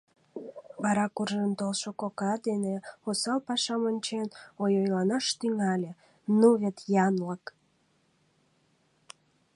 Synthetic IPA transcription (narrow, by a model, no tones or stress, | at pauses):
βɑɾɑkurʒənt̪olʃokokɑd̪eneosɑlpɑʃɑmonʲt͡ɕenojojlɑnɑʃt̪yŋɑlʲe | nuβet̪jɑnlək